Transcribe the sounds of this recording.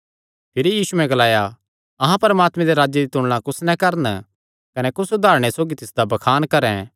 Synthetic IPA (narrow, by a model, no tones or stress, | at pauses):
pʰɪɾijiːsuɛ̃ɡɐlaːja | ɐɦãpɐɾəmaːt̪mẽd̪eɾaːd͡ʒjed̪it̪ʊɽlãkʊsnɛ̃kɐɾən | kɐnɛkʊsʊd̪ʱaːɾɽ̃esoːɡit̪ɪsd̪abɐkʰaːnkɐɾɛ̃